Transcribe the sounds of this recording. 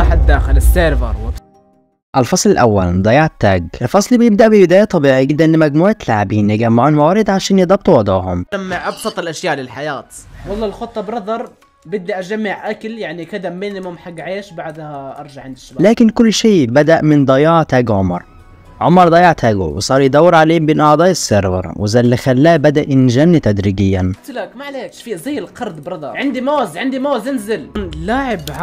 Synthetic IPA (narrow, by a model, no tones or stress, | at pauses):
ɑːħatd̪ːaːxɪlɪsːeːɾvɑ̰ɾˤwɪ | ʔalfɑsˤlɪlʔawːa̰ld̪ˤɑjɑʕt̪ːaːɡʔɪlfɑsˤlbjɪb̚d̪aʔbɪbɪd̪aːjat̪ˤɑbiːʕiɪd̪ːaʔnːmaɡmuːʕt̪laʕabiːnːaɡamːaʕuːnmawaːɾɪd̪ʕaʃaːnjɪd̪ˤɑb̚t̪ˤwɑʕd̪ˤɑːɦʊ̰mamːɪʕʔɑbsˤɑt̪ˤɪlʔaʃjaːʔlɪlħajaːt̪wɑlˤːɑːlxʊt̪ˤːɑbɾɑd̪ˤɑɾˤ | bɪd̪ːiʔad͡ʒamːɪʕʔakaljaʕnikɪd̪amːeːnlɪmamħaɡʕeːʃbaʕd̪haʔɑɾˤd͡ʒaʕɪnd̪ɪʃblaːkɪnkʊlːʃeːbad̪aʔmɪnd̪ˤɑjɑːʕt̪aːɡʕʊmɑɾˤ | ʕʊmɑɾˤd̪ˤɑjɑʕt̪ʰaːɡṵwɪ̰sˤɑːɾˤjd̪awːɪɾʕaleːmbeːnʔɑʕd̪ˤɑːʔɪsːeɾˤvɑ̰ɾˤwɪzalːɪxalːaːʔbad̪aʔɪnʒanːit̪ad̪ɾiːɡɪjːant̪lakmaʕleːkʃfiːzˤiːɪlqɑɾˤd̪bɾɑd̪ˤɑɾʕɪnd̪imoːzʕɪnd̪imoːzɪnzɪllaːʕɪbʕ